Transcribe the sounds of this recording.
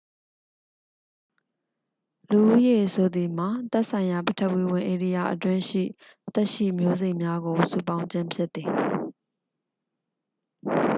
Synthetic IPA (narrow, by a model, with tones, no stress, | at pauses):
lu˨ʔu˦je˨so˨d̪i˨m̥a˨t̪ɛ˦ʔsʰã˨ɪ̃ja˨pə˨tʰə˦ʔwi˦˨wɪ̃˨ʔe˨ɾi˦ja˨ʔətwɪ̃˦ʃḭ˦˨ | t̪ɛ˦ʔʃḭ˦˨mjo˦ze˦ɪʔmja˦ɡo˨sṵ˦˨pã˦ʊ̃ɲt͡ɕɪ̃˦mpʰjɪ˦t̪ːi˨